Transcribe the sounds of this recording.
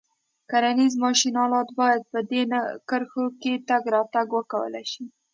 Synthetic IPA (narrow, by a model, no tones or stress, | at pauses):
kaɾanizmɑʃinɑlɑt̪bɑjad̪̚pəd̪enakəɾxoket̪aɡɾɑt̪aɡwəkawə̰la̰jʃi